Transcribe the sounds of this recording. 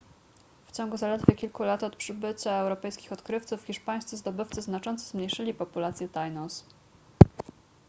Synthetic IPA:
ft͡ɕɔŋɡuzalɛd̪vʲjekʲilkulat̪ɔt̪pʂɘbɘt͡ɕaɛwɾɔpɛjskʲixɔt̪kɾɘft̪sufxʲiʂpaj̃st̪sɘzd̪ɔbɘft̪sɘznat͡ʂɔnt̪sɔzmɲejʂɘlʲipɔpulat̪sʲjɛt̪ajnɔs

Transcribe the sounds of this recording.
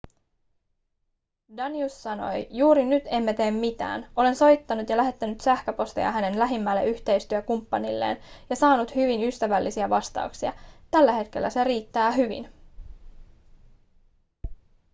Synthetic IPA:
dɑniusːɑno̞̰jjuːɾinyt̪e̞mːet̪e̞ːmːit̪æ̰ːno̞le̞nso̞jt̪ːɑnut̪jɑlæɦe̞t̪ːænyt̪sæhkøpo̞st̪ḛɑ̰ɦæne̞nlæɦimːælːe̞̰ʔyçt̪e̞jst̪yækumpːɑnilːḛːnjɑsɑːnut̪hyʋinyst̪æʋælːisiæʋɑst̪ɑ̰uksiɑ̰t̪ælːæhe̞t̪k̟e̞lːæse̞ɾiːt̪ːæːɦyʋḭn

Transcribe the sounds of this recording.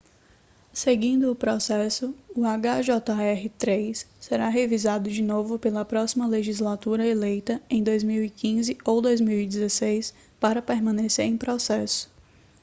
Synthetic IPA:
seɡĩnd̪ʊːpɾɔsɛsʊʊaɡaʒɔt̪ɐɛɦɪt̪ɾejsːeɾaɦevizad̪ʊd͡ʒinovʊpelɐpɾɔsimɐleʒizlat̪uɾɐelejt̪ɐẽj̃d̪ojzmiwikĩzɪowd̪ojzmiwid͡ʒɪzesejs | paɾɐpeɾmɐ̃neseɾẽj̃pɾɔsɛsʊ̥

